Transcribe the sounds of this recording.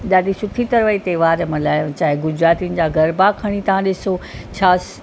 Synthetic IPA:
ɗaːdisʊt̪ʰit̪ɐɾʋəit̪eːʋaːɾmɐ̃laːt͡ɕaːɦeɡʊd͡ʑɾaːt̪iunɪ̆d͡ʑaɡʱɐɾbakʰɐɽ̃it̪ɐʋ̤ãɗɪsot͡ɕʰaːs

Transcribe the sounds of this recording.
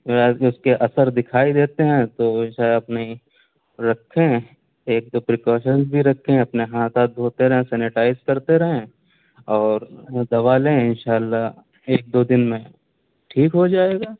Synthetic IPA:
ʊskeʔɐsəɾd̪ɪkʰaːid̪eːt̪eɦɛ̃t̪oʃaːeɐpnai | ɾɐkʰːẽ | eːk̚d̪opɾɪkɔːʃənsbʱiɾɐkʰːẽɐpneɦaːt̪aːt̪̚bʱoːt̪eɾɐɦẽsɛːnɪʈaːɪzkɐɾt̪eɾɐɦẽ | ɔːɾd̪ɐʋaːlẽɪnʃaːlːaɦ | eːk̚d̪od̪ɪnmẽ | ʈʰiːkɦod͡ʒaːeːɡaː

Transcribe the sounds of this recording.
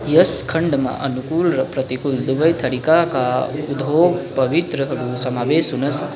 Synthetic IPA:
jɐskʰɐɳɖmã̰ʔɐnukuːlɾɐpɾɐt̪ikuld̪ubəjt̪ʰɐɾikakaud̪ʱboːɡ̚pɐʋit̪ɾəɦɐɾusɐmaːʋeːsunɐs

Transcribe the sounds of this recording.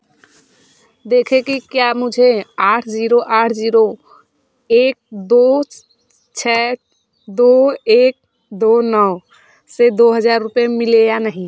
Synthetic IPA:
d̪eːkʰekikjamʊd͡ʒʱeaːʈʰziːɾoʔaːʈʰd͡ʒiːɾo | eːk̚d̪o | t͡ʃʰɛ | d̪oeːk̚ | d̪onəʋ | sed̪oɦəd͡ʒaːɾːʊpjemɪlejanəɦĩ

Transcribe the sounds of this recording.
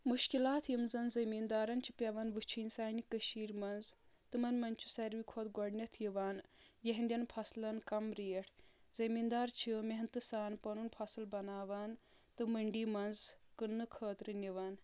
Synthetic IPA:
muʃkilaːt̪ʰjimzɐnzɐmiːnd̪aːɾɐnt͡ʃʰi̥pʲɐʋɐnʋɨt͡ʃʰinʲsaːnikəʃiːɾmɐnzt̪ɨmɐnmɐnt͡ʃʰu̥sɐɾʋikʰoːt̪ɡɔɽnʲɐt̪ʰjiʋaːnjeɦnd̪ʲɐnpʰɐslɐnkɐmɾijɐʈʰzɐmiːnd̪aːɾt͡ʃʰimeɦnt̪ɨsaːnpɐnunpʰɐsɨlbɐnaːʋaːn | t̪ɨməɳɖiːmɐnzkɨnːɨkʰəːt̪ɾɨnʲiʋaːn

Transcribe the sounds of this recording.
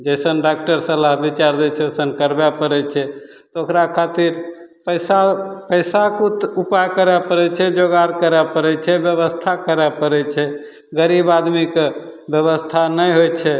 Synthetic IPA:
d͡ʒəjsənɖak̚ʈəɾsəlaɦbit͡ʃaɾd̪ɛt͡ʃʰɛosənkəɾbɛpəɾɛt͡ʃʰɛ | t̪ɔokɾakʰat̪iɾ | pəjsapəjsakut̪upajkəɾɛpəɾɛt͡ʃʰɛd͡ʒoɡaɾkəɾɛpəɾɛt͡ʃʰɛbjəβəst̪ʰakəɾɛpəɾɛt͡ʃʰɛ | ɡəɾibad̪mike | bjəβəst̪ʰanəjɦojt͡ʃʰɛ

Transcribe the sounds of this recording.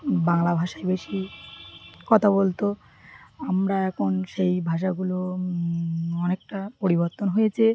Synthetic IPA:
baŋlabʱaʃaebeʃi | kɔt̪ʰabolt̪o | amɾaɛkʰonʃejbʱaʃ̬aɡulo | ɔnek̚ʈapoɾiboɾt̪onɦojet͡ɕʰe

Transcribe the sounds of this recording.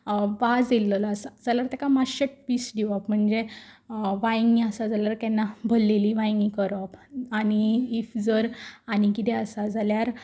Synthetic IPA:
ʋad͡zilːəlaəsad͡zalaɾt̪ɛkamaɕəʈ̚pisɖiʋapm̤əɳd͡ze | ʋajŋɡiəsad͡zaljaɾk̪ɛnːabʱəlːeliʋajŋɡikəɾɔpaniːfd͡zəɾanikit̪ɛəsad͡zaljaɾ

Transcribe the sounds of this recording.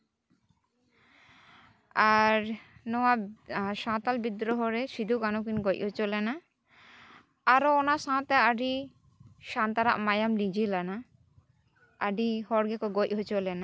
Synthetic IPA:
aɾnɔwaʃãt̪albid̪ɾɔɦɔɾesid̪ʱukanokinɡɔcɦot͡ʃolɛna | aɾoɔnasãt̪ɛaɖi | ʃant̪aɾa̰ʔmajamlid͡ʒilana | ɖihɔɾɡɛkɔɡɔʔɦot͡ʃolɛna

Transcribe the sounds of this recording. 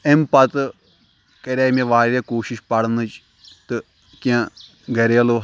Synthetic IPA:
empɐt̪ | kɐɾaːmẽʋaːɾekoːʃiʃpɐɽnɨt͡ʃ | t̪ɨ | kã | ɡɐɾelo

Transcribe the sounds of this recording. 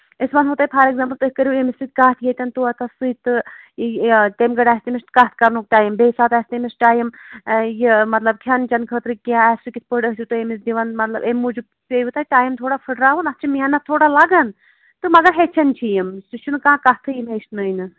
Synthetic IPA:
isbɐnɦuːt̪aːpʰaɾeɡzaːmpəlt̪ɨkəɾʲiemisit̪̚kaːt̪ʰjet̪ʲɐnt̪uɐt̪ɐsɨt̪ɨ | t̪emɡɐɽaːsʲt̪imist̪kɐt̪̚ʰkɐɾnuːk̚t̪ʲaːjimbeːsaːt̪ɛːst̪imisʈʲaːjimjimɐt̪lɐb̚kʲʰɐnt͡ʃɐnkʰət̪ɾikiãɛsukʲit̪ʰpəɖəɦt̪ʰʲit̪ɨemisd̪iʋɐnmɐt̪lɐ̰bemud͡ʒu | peut̪aːt̪ʲaːjimt̪ʰoːɽapʰɨʈɾaːʋunɐst͡ʃʰimiɐnːat̪ʰoːɽalɐɡɐn | t̪ɨmɐɡɐɾɦeːt͡ʃʰɐnt͡ʃʰijimsut͡ʃʰunkãːkɐt̪ʰɨjimesnɐjnɨ

